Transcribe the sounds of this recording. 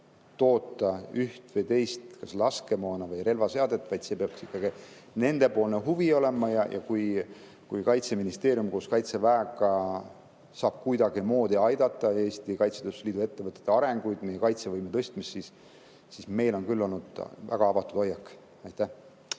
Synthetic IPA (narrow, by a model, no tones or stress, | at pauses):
t̪o̞ːt̪ːˑɑyht̪vejt̪e̞jst̪kɑslɑske̞moːnɑvɯjɾe̞lvɑse̞ɑd̪e̞t̪ːˑvɑjd̪̥se̞ːpeɑkksikːɑɡ̥i | ne̞nd̪e̞po̞ːlneɦuvio̞le̞mɑjɑjʔɑ̰kuj | kujkɑjt̪seminist̪e̞ːɾjumkoːskɑjt̪se̞væeɡˑɑ | sɑːb̥̚kujd̪ɑɡimo̞ːd̪̥iɑjd̪̥ɑt̪ːˑɑe̞ːst̪ikɑjt̪sed̪esliːd̪ue̞t̪ːevɤt̪ːˑet̪ːˑɑɾeŋɡ̥ujd̪̥me̞je̞kɑjt̪sevɤjmet̪ɤst̪misːisː | isme̞jlo̞nkylːo̞lnud̪̥væ̰ɡ̥ɑɑvɑt̪ˑud̥̪ojːɑkː | ɑjt̪ːˑæh